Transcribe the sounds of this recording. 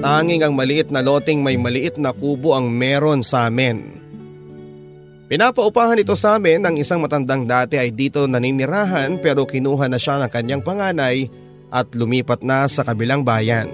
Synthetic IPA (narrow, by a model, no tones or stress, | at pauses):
aːŋɪŋɐŋmɐlɪʔɪt̪̚nɐlo̞ːt̪ɪŋmɐjmɐlɪʔɪt̪̚nɐkuːbo̞ʔɐŋmɛːɾo̞nsaːmɪn | pɪnaːpɐʔʊpaːhɐnɪt̪o̞saːmɪnːɐŋɪsaŋmɐt̪ɐnd̪aŋd̪aːt̪ɛʔɐjd̪iːt̪o̞nɐninɪɾaːɦɐnpɛːɾo̞kɪnuːɦɐnɐʃanɐŋkɐɲːaŋpɐŋaːnɐj | ʔɐt̪lʊmiːpɐt̪̚nɐsɐkɐbɪlaŋbaːjɐn